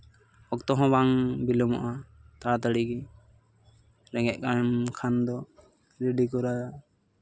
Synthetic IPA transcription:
ɔk̚t̪ɔɦɔ̃baŋbilɔmɔ̰ʔat̪aɽt̪əɽiɡi | ɾɛŋɛʔ̚ˀkamkʰand̪ɔ | ɾiɖikɔɾaa

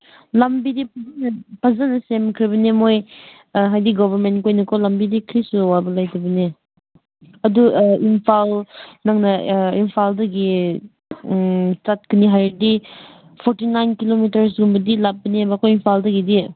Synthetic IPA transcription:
lɐmbidip̚ʰɐzanɐpʰazanɐsemkʰɾibɐnemoj | ɦajdiɡɔbʱɐɾmentkojnɐkʰɔlambidikʰɾisuwabɐlajtʰɐbɐni | ɐduimpʰalnaŋnɐimpʰaldɐɡi | t͡ʃat̚kʰɯniɦajdi | pʰoɾtinajnkilomitɐɾs̬ɡumbɐdilap̚bɐniabɐkʰojimpʰaldɐɡidi

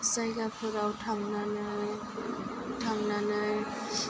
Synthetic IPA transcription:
sajɡapʰɯɾawtʰaŋnanɯ | tʰaŋnanɯj

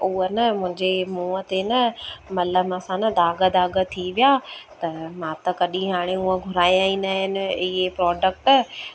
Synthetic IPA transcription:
uɦənɐmʊ̃ɦɪ̃ɲd͡ʑemuːət̪enɐmɐləmɐsãnɐd̪aːɡəd̪aːɡə̆t̪ʰiʋijaːt̪ɐmãːt̪ɐkɐɗĩɦaːɽ̃euə̃ɡʱʊɾaːijãːĩnd̪aɦɪnɪ̆ɪɦepɾɔːɖək̚ʈ

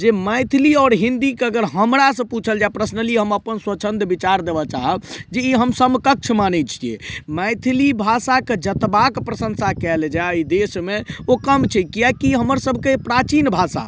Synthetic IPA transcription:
d͡ʒeməjt̪ʰiliɔːɾɦind̪ikeəɡəɾɦəmɾasə̃put͡ʃʰəld͡ʒapɾəsnəliɦəməpənswət͡ʃʰənd̪bit͡ʃaɾd̪ebɔt͡ʃaɦəbd͡ʒeiɦəmsəmkək̚t͡ʃʰmanɛt͡ʃʰijḛməjt̪ʰilibʱasaked͡ʒət̪bakpɾəsə̃nsakɛld͡ʒaid̪esmeokəmt͡ʃʰɛkijakiɦəməɾsəbʱkepɾat͡ʃinbʱasa̰

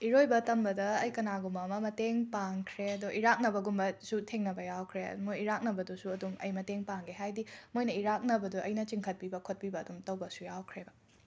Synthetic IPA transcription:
iɾojbɐtɐmbɐdɐːjkɐnaɡumɐmɐmɐteŋpaŋkʰɾeɐduʔiɾak̚nɐbɐɡumbɐsutʰeŋnɐbɐjawkʰɾḛmojiɾak̚nɐbɐdusuɐdumɐ̰jmɐteŋpaŋɡeɦajdimojnɐiɾak̚nɐbɐduʔɐjnɐt͡ʃiŋkʰɐt̚pibɐkʰot̚pibɐːdumtɐwbɐsujawkʰɾebɐ

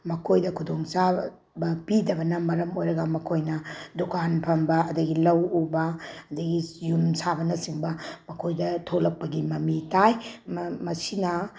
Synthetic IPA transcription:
mɐkʰojdɐkʰudoŋsa | bɐpidɐbɐnɐmɐɾɐmojɾɐɡɐmɐkʰojnɐdukanpʰɐmbɐːdɐɡilɐwubɐːdɐɡijumsabɐnɐsiŋbɐmɐkʰojdɐtʰolɐk̚pɐɡimɐmitajmmɐsinɐ

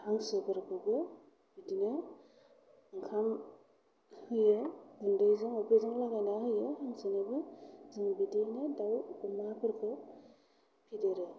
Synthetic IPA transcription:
haŋsɯbɯɾbɯɡɯ | bidinɯ | ɯŋkʰam | hɯjɯɡɯndɯjzɯŋɔbʰezɯŋlaɡanahɯjɯhaŋsɯnɯbɯzɯŋbidinɯdawumapʰɯɾkʰɯ | pʰideɾɯ

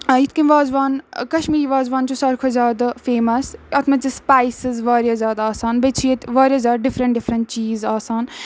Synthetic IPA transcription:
it̪kĩnʋaːzʋaːnkɐʃmiːɾiʋaːzʋaːnt͡ʃusɐɾkʰozjaːd̪afeːmɐsɐt̪ʰmɐt͡ʃispaːjsɨzʋaːɾjaːzʲjaːd̪aaːsaːnbɐt͡ʃʰijet̪ʋaːɾʲjaːzjaːd̪ɖɪfɾɐɳʈɖɪfʰɾɐɳʈ̚t͡ʃiːzaːsaːn

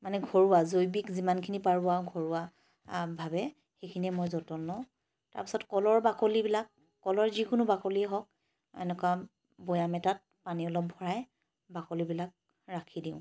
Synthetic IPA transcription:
manɛɡʱɔɹuwazojbikzimankʰinipaɹʊaɡʱɔɹuwa | bʱabɛ | xejkʰiniɛmojzɔtɔnːɔ̃ | ta̰ɹpi̥sɔtkɔlɔɹbakolibilakː | ɔlɔɹzikʊnʊbakoliɛɦɔk̚ | ɛ̰nɛkwa | bɔjamɛtat̚paniɔlɔp̚bʱɔɹaj | bakolibilak̚ | ɹakʰidiʊ̃

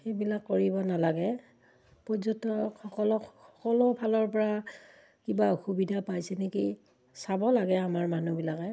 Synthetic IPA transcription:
xejbilakːoɹibɔnalaɡɛ | pɔzɔntɔxɔkɔlɔxɔkɔlɔbʱalɔɹpɔɹa | kibaxubidʱapajsɛneki | sabɔlaɡɛamaɹmanubilakɛ

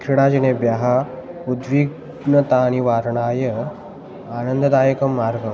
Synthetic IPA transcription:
kʰɾiɽad͡ʒinebjaɦaud̪ʋiɡ | nət̪añiʋaːɾɳaːjə | aːnənd̪əd̪aːjəkɐmːaɾɡə

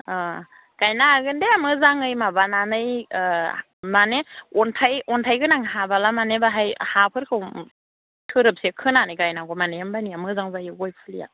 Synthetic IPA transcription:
ɡ̥ajnaɡɯndeamɯzaŋɯjmabananɯj | maneɔntʰajɔntʰajɡɯnaŋɦabalamanebaɦajhapʰɯɾkʰɯw | tʰɯɾɯp̚sekʰɯnanɯjɡajnaɡɔmanejambaniamɯzaŋzajɯɡɔjpʰɯlija̰

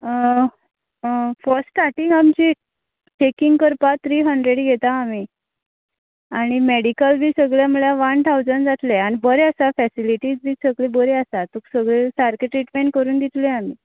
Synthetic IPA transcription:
fəɾsʈaʈĩŋɡamt͡ɕi | t͡ɕekiŋɡkəɾpat̪ʰːɾiːɦəɳɖɾeɽɡʱet̪aːmiː | aɽ̃imeɽikəlbʱiːsəɡɭjaməɭjaʋant̪ʰawd͡zənd͡zat̪leanibəɾeasafɛsiliʈiːd͡zbʱiːsəɡɭebəɾeasat̪uksəɡɭesaɾkeʈɾiʈmenkəɾuːnd̪it̪leamiː

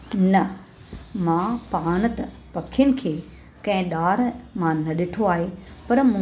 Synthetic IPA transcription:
nɐ | mãpaːñət̪ɐ | pɐkʰijənɪ̆kʰeː | kɐ̃ɦɪ̃ɗaːɾmãnɐɗɪʈʰoaːɦepɐɾmʊ̃

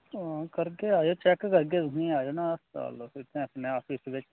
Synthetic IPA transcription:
ãːkəɾkeːaːjoːt͡ʃɛkkəɾɡeːt̪ʊnĩːaːjoːnãəsa̰ːloɪt̪ẽəpnẽaːpɪsʋɪt͡ʃ

